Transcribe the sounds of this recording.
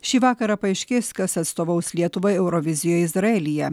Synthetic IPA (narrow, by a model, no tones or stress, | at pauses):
ʃʲiːʋɑːkɐɾɐpɐɪʃʲkʲɪskɐsɐt̪st̪oːʋɐʊslʲiɛt̪ʊʋɐɪɛʊɾoʋʲɪzʲɪjoːjɪzɾɐɛlʲɪjɛ